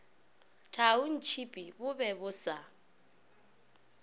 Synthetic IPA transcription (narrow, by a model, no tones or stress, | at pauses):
tʰaʊn̩t͡ʃʰipʼibʊbɛbʊsa